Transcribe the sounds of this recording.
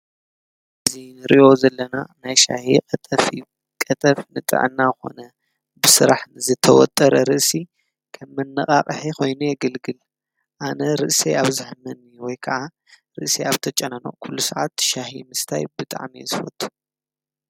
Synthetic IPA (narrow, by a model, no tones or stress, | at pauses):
ʔɨzinɨɾiʔo̞zɐlːɐnanajʃa̰hikʼɐt̪ʼɐfi | kʼɐt̪ʼɐfnɨt̪ʼɨ̰ʕɨ̰nːaxo̞̰nɐ | bɨsɨɾaħnɨzɨt̪ʰɐwɔ̰t̪ʼːɐɾɐɾɨʔsi | kʰɐmːɨnːɨχʼaχʼɨħixʰo̞jnujɛɡɨlɡɨl | ʔanɐɾɨʔseaβzɨħɨmɐnːiwɔjkʰɐʕa | ɾɨʔseaβt̪ʰɐt͡ʃʼːɐnɐno̰kʰulːusɐʕat̪ʃahḭmɨst̪ʰajbɨt̪ʼa̰ʕmiḛzɨfɐ̰t̪ʼːu̥